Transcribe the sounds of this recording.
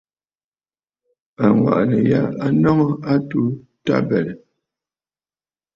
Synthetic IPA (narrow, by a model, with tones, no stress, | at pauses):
a˨ŋwa̰˨ʔnə˨ja˦a˦nɔ˦ŋɔ˦a˦tu˦ | ta̰˦bɛ˨ɾɛ˨